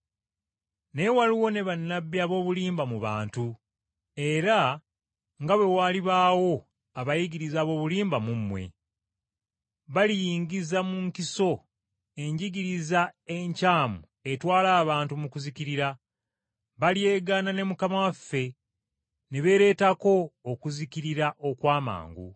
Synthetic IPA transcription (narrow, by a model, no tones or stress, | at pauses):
ne̞waliwo̞ne̞βanːabːiaβo̞ːβuliːmbamuβa̰ːntu | e̞ɾa | ŋɡaβwe̞waːliβaːwo̞ | aβajiɟiɾizaːβo̞ːβuliːmbamumːwe̞̰ | βalijiːɲɡizamuŋkiso̞ | e̞ɲɟiɡiɾizae̞ɲcaːmu | e̞twaːlaːβaːntumukuziciɾiɾa | βalieːɡaːnane̞mukamawafːe̞ | neβe̞ːɾe̞ːtako̞ːkuziciɾiɾaʔo̞kwaːma̰ːŋɡṵ